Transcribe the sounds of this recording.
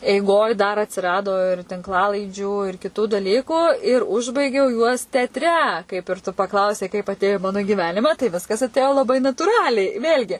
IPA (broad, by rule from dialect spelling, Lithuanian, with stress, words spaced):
ɛɪˈɡoːj dɐr ɐtʲsʲɪˈrɑːdoː ɪr tʲɪŋkˈlˠɑːlˠɐɪd͡ʒʲuː ɪr kʲɪˈtuː dɐˈlʲiːkuː ɪr ˈʊʒbɐɪɡʲɛʊ juɔs tʲɛɐtʲˈrʲɛ kɐɪp ɪr tʊ pɐˈklˠɐʊsʲɛɪ kɐɪp ɐtʲˈeːjoː ɪ ˈmɑːnʊ ɡʲɪˈʋʲæːnʲɪmɐ tɐɪ ˈʋʲɪskɐs ɐtʲˈeːjoː lˠɐˈbɐɪ nɐtuːˈrɑːlʲɛɪ ˈʋʲeːlʲɡʲɪ